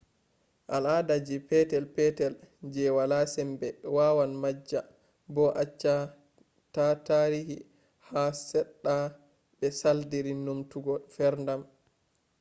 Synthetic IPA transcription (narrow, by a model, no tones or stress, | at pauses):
ʔaladad͡ʒipɛtɛlpɛtɛld͡ʒɛwalasɛmbɛwawanmad͡ʒːa | bɔʔat͡ʃːa | tataɾihi | hasɛɗːa | bɛsaldiɾinumtuɡɔfɛɾndam